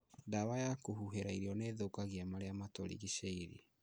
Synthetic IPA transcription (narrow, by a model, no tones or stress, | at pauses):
dawajakohuɦeɾaiɾiɔneðokaɣiamaɾeamatoɾḭɣiʃeiɾḭ